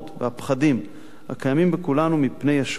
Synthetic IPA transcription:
t̪veapχadim | ha̰kajamimbekulanumipne̞jaʃ

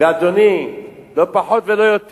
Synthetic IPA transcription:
ead̪onilopaħot̪velojot̪

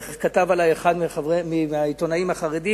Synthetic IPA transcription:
kat̪avalajeχad̪maemiait̪onaimhaχaʁed̪i

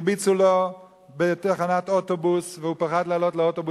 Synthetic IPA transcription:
bit͡sulo | betaχanat̪otobusveupaχad̪leaːlotleot̪obu

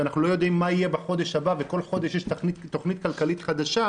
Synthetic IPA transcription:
anaχnulo̞jo̞d̪imːaije̞baχo̞d̪eʃhabaveko̞lχo̞d̪eʃjɛʃnittːo̞χnit̪̚kalkalit̪χad̪aʃa

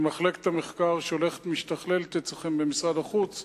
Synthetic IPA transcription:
maχleke̥t̪hameχkaʁʃeole̞χe̥t̪miʃt̪aχlelt̪et͡saχembemisʁad̪aχut͡s

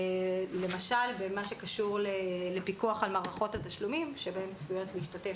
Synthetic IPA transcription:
le̞maʃalbemaʃe̞kaʃuʁlelepikuaχalmaːʁaχo̞tataʃlumimʃe̞bae̞mt͡svujo̞tliiʃtate̞f

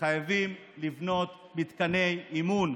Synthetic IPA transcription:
ajavim | livno̞t̪ | mit̪kane̞jimun

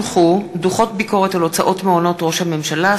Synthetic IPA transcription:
χuduχo̞tbiko̞ʁetalo̞t͡saʔo̞tmeono̞tʁo̞ʃhame̞mʃala

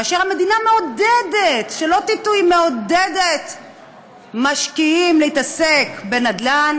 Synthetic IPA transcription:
aːʃeʁhame̞d̪inameodedetʃelo̞t̪itujme̞odedet̪ | maʃkiimleit̪asekbe̞nad̪lan

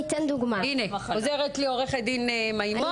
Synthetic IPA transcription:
it̪end̪uɡmaineozeʁet̪lioʁeχed̪inemajmo

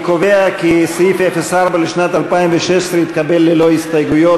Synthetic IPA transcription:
koʋeakisifefesaɾbaliʃnat̪alpajmʋeʃest̪ɾit̪kabelːeloist̪ajɡʊjo

